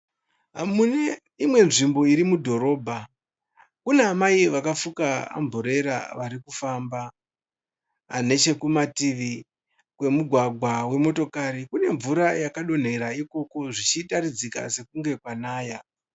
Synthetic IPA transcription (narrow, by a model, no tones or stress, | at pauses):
ɦamune | imwe̞nʐimbo̞iɾimudʱo̞ɾo̞ːbʱa | kuneamaiʋakafukaa̰ɱvoɾe̞ɾa̰ʋaɾikufamba | ne̞t͡ʃe̞kumatiʋi | kwe̞muɡʱwaɡʱwawe̞mo̞to̞kaɾikune̞ɱvuɾajakaɗo̞n̤eɾaiko̞ko̞ʐit͡ʃitaɾid͡zika̰se̞kuŋɡe̞kwanaːja